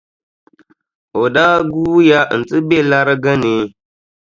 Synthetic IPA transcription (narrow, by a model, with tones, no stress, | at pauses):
o˨daː˦ɡuː˦ja˦n̩˨tɨ˦be˦˨la˦ɾɨ˦ɡə˦ne˨˦